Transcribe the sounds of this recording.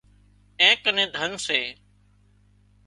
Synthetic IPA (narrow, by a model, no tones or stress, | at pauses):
ẽːkənẽːd̪ʱənseː